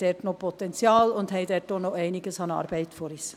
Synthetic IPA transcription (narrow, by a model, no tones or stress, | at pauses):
d̥ɛtnopʰɔt̪ɛnt͡sjɑːlʊndhɛɪdɛt̚d̥onoɛɪnɪɡəsɑnɑ̰ːɾb̥ɛɪtfoɾis